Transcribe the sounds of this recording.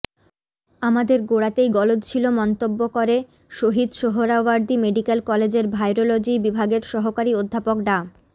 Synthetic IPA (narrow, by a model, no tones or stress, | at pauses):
amad̪eɾɡoɽat̪ejɡɔlod̪t͡ɕʰilomɔnt̪obːokoɾe | ʃoɦid̪ʃoɦoɾaʋaɾd̪imeɖikelkɔled͡ʑeɾbʱajɾolod͡ʑibibʱaɡeɾʃɔɦokaɾiod̪ʱːapokɖa